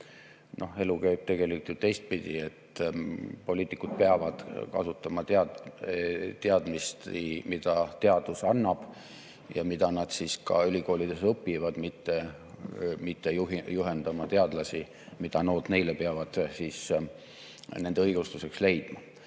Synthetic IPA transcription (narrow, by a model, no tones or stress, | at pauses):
nʔohe̞lukæjb̥̚t̪e̞ɡe̞likult̪jut̪e̞jst̪̚pid̪̥ʲiet̪ː | po̞lʲiːt̪ikːud̪̥̚peɑvɑd̪̥kɑ̰sut̪ːˑɑmɑt̪ɑ | t̪eɑd̪̥mist̪imid̪̥ɑt̪e̞ɑd̪̥usɑnːɑb̥ | jɑmid̪̥ɑnɑd̪̥siskɑylʲiko̞ːlid̪̥e̞sɤpːivɑd̪mit̪ːe̞ | mit̪ːejuɦijuɦe̞nd̪̥ɑmɑt̪e̞ɑd̪lɑsi | mid̪̥ɑno̞ːd̪ne̞jlepeɑvɑd̪̥siːs | ne̞nd̪eɤjɡ̥ust̪use̞ksle̞jd̪̥mɑ